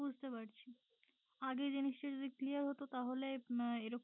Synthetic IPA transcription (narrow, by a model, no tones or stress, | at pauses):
ud͡ʑʱt̪epaɾt͡ɕʰi | aɡed͡ʑeniʃʈeɾd͡ʑod̪ikliaɾɦot̪ot̪aɦoleeɾok